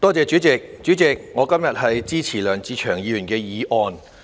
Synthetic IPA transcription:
t̪ɔː˥t͡sɛː˨˧t͡ʃyː˨˥t͡sɪ˨k̚t͡ʃyː˨˥t͡sɪ˨k̚ŋɔː˨˧kɐ˥mjɐ˨t̚hɐ˨jt͡siː˥t͡sʰiː˨˩lœː˨˩ŋt͡siː˨˧t͡ʃʰœː˨˩ŋjiː˨˧jy˨˩nkɛː˧jiː˨˧ʔɔː˧n

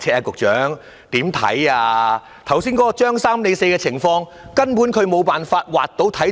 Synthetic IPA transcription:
t͡sʰɛː˧ɛ˧kʊ˨k̚t͡ʃœː˨˥ŋ | t̪iː˨˥mt̪ʰɐ̰˨˥jaː˧ | t̪ʰɐ˨˩wsiː˥nkɔː˧˥ɔ˧t͡ʃœː˥ŋsaː˥mne˨˧˥se˧jkɛː˧t͡sʰɪ˨˩ŋfɔː˧ŋ | kɐ˥npuː˨˥nkʰɵ˨˧ɥmo˨˧wpaː˨˩nfaː˧t̚wa̰ː˨k̚t̪o˨˥wt̪ʰɐ˨˥

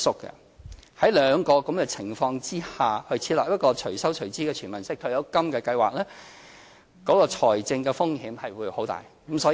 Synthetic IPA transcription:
sʊ˥kːɛ̰˧ | hɐ˨˥jlœː˨˧ŋkɔː˧kɐ˨˥mkɛː˧t͡sʰɪ˨˩ŋfɔː˧ŋt͡siː˥haː˨hɵ˧t͡sʰi˧tlɐː˨p̚jɐ˥t̚kɔː˧t͡ʃʰɵ˨˩sɐ˥wt͡ʃʰɵ˨˩ɥt͡siː˥kɛː˧t͡ʃʰyː˨˩mɐ˨˩nsɪ˥k̚t̪ʰɵ˧ɥjɐ˨˧wkɐ˥mkɛː˧kɐ˧jwaː˨k̚lɛː˥ | kɔː˨˥kɔː˧t͡ʃʰɔː˨˩jt͡sɪ˧ŋkɛː˧fʊ˥ŋhiː˨˥mhɐ˨jwuː˨˧jho˨˥wt̪a̰ː˨jkmsɔː˨˥

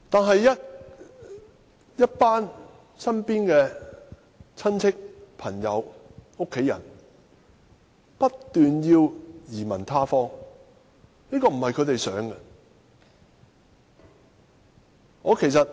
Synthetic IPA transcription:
t̪aː˨nɦɐ˨jːɐ˥t̚ | jɐ˥t̚paː˥n | sɐ˥npiː˥nkɛː˧ | t͡sʰɐ˥nt͡sʰɪ˥k̚pʰɐ˨˩ŋjɐ˨˧wo˥kʰːe˨˥jɐ̰˨˩n | pɐ˥tt̪ːyː˨njiː˧wjiː˨˩mɐ̰˨˩nt̪ʰaː˥fɔː˥ŋ | niː˥kɔː˧m̩˨˩hɐ˨jkʰɵ˨˧ɥt̪̬e˨jsœː˨˥ŋkɐ˧ | ŋɔː˨˧kʰe˨˩js̬ɐ˨t̚

